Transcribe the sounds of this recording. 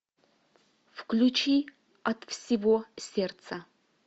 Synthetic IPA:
fklʲut͡ʃʰi | ɐtfsʲivosʲert̪st͡sɐ

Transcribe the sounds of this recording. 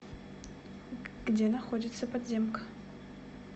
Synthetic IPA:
ɡ̥dʲeɛnɐxodʲɪt̪sɐpɐd̪zʲemk

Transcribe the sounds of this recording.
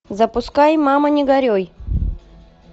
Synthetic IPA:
zɐpʊskajmamɐnʲɪɡɐɾʲoj

